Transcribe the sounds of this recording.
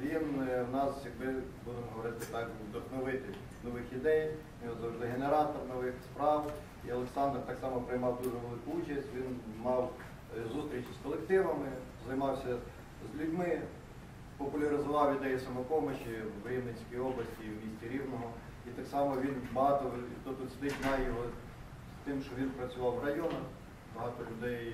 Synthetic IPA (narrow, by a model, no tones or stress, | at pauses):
ʋʲinwnɑsjɐkbɪbud̪emɔɦɔʋɔɾɪt̪ɪt̪ɑkd̪ɔxnɔʋɪt̪ɪ | nɔʋɪxid̪ɛjʲ | ɔzɐwʐd̪ɪɦeneɾɑt̪ɔrnɔʋɪxspɾɑw | iɐlˠeksɑnd̪rt̪ɑksɑmɔpɾɪjmɑwd̪uʐɛʋelˠɪkʊut͡ʃɐsʲtʲʋʲinmɑw | zust̪ʲɾʲit͡ʃiskɔlˠekt̪ɪʋɐmɪ | zɐjmɑwsʲɐ | zʲlʲʊdʲmɪ | pɔpʊlʲɐɾɪzʊʋɑwjʲɪʊd̪ɛjisɐmɔkɔmeʃiwɾʲiwnɪnʲsʲkijɔblˠɐsʲtʲiwmʲisʲtʲiɾʲiwnɔɦɔ | it̪ɑksɑmɔʋʲinbɐɦɑt̪ɔit̪ɔt̪ːʊsʲt̪ɪzʲnɑjjɔɦɔ | st̪ɪmʃt͡ʃɔʋʲinpɾɐt͡sʲʊʋɑwrɐjɔnɐx | bɐɦɑt̪ɔlʲʊd̪ɛj